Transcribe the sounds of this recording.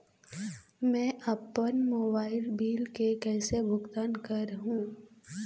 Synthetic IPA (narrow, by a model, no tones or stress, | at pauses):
mɛ̃ːʔɐpənmoːbaːɪlbiːlkekɛːsebʱʊɡt̪aːnkɐɾɦũː